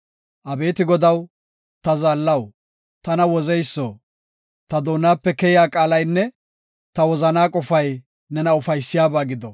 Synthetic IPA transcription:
ʔɐbe̞ːt̪ɪɡɔd̪ɐw | t̪ɐzaːlːɐw | t̪ɐnɐwɔzɛjsːo̰ː | t̪ɐd̪o̞ːnːaːpːɛkɛjɪjaːkʼaːlɐjnːɛ | t̪ɐwɔzɐnaːkʼɔfɐj | nɛnɐʊfɐjsːɪjaːbaːɡɪd̪ɔ

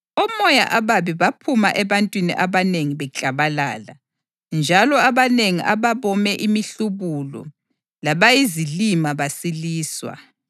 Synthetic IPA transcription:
ɔmɔja̰ʔaβaβiβapʰumaʔɛβantʼwinḭʔaβaneŋiβɛt͡ɬʼaβala̰ːla̰ | nd͡ʒʱalɔaβaneŋiʔaβaβɔmɛʔimiɬuβulɔ̰ | laβajizilimaβasiliːswa̰

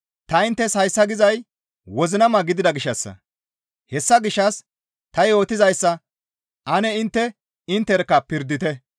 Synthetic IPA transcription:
t̪ɐɪnt̪ːɛshɐjsːɐɡɪzɐj | wɔzɪnɐmɐɡɪd̪ɪd̪ɐɡɪʃːɐsːɐ̰ | hɛsːɐɡɪʃːɐs | t̪ɐjo̞ːt̪ɪzɐjsːɐ | ʔɐnɛɪnt̪ːɛ | ɪnt̪ːɛɾkːɐpɪɾd̪ːɪt̪ɛ

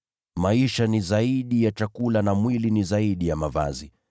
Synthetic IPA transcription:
maiʃanizaiɗijat͡ʃakulanamwilinizaiɗijamava̰zi

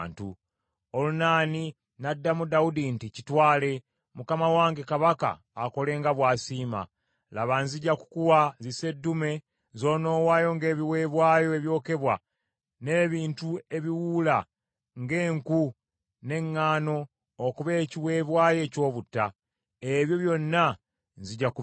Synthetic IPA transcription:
ntu | olunaːni | nadːamudaudinticitwaːle̞ | mukamawaːŋɡekaβaka̰ːko̞le̞ːŋɡaβwaːsiːma̰ | laβaːnziɟaku̥kuwazise̞dːume̞ | zo̞ːno̞ːwaːjo̞ŋɡe̞ːβiwe̞ːβwaːjo̞eβjo̞ːke̞βwa | ne̞ːβiːntue̞βiwula | ŋɡe̞ːŋku | ne̞ŋːaːno̞ː | kuβe̞ːciwe̞ːβwaːje̞co̞ːβutːa | eβjo̞βjo̞nːa | nziɟaku

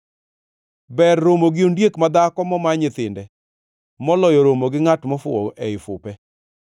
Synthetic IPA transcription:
bɛrːomoɡɪondjekmad̪akɔmɔmaɲɪt̪ɪndɛ | mɔlɔjɔɾomoɡɪŋatmɔfʊ̰ɔʔɛɪfʊ̰pɛ

